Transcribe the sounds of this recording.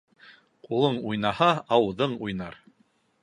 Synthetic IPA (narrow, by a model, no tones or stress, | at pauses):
qulˠɤɴujnɑhɑɑwðɤɴujnɑɾ